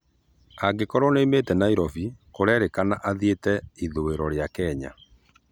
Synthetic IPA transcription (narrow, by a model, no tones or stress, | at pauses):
aɡekɔɾɔneimetɛnaiɾɔvikoɾɛɾekanaʔaðietɛiðoweɾɔɾjakɛɲa̰